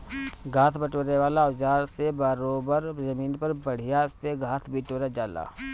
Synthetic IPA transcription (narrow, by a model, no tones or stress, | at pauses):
ɡʱaːt̪ʰbəʈoːɾeʋaːlaʊd͡ʒaːɾsebaːɾoːbəɾd͡ʒəmiːnpəɾbəɽ̤ɪjaɪsteɡʱaːt̪ʰbiʈoːɾad͡ʒaːla̰ː